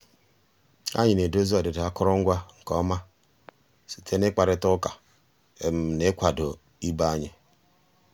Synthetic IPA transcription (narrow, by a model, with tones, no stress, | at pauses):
a̰˦ɲɪ˨ne˨do˦zi˦ɔ˨dɪ˨da˦kʊ˦ɾɔ˦ŋ̩˦ɡʷa˦ŋ̩˨kɔ˦ma˦ | si̥˨tʰe˦nɪ˦k͡pa˨ɾɪ˦tʊ˦ka˨ | e˨m̩˦ne˦kʷa˨do˨ | i˦ba˦a˦ɲɪ˨